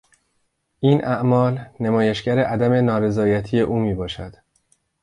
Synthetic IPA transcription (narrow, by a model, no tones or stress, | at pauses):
ʔiːnʔæʔmɒːlnemɒːjeʃɟæɾeʔæd̪æme̞nɒːɾe̞zɒːjæt̪ʰije̞ʔuːmiːbɒːʃæd̪̥